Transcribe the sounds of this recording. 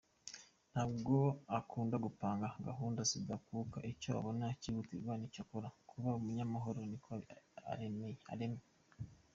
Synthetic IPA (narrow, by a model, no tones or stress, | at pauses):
n̥habɡo̞akʰuːndaɡupaːŋɡaɡaɦuːndasidakuːka̰ʔicoa̰βo̞naciβutiɡɡwanicokoɾakʰuβaumuɲamaɦo̞ɾonikʰoa̰ɾe̞me̞jea̰ɾe̞me